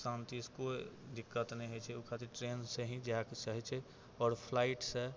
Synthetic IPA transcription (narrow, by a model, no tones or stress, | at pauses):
sãnt̪iskod̪ɪkːət̪nẽɦet͡ʃʰɛokʰat̪iɾʈɾeːnseɦĩd͡ʒaakesəɦɛt͡ʃʰɛ | ɔːɾpʰlaːɪʈse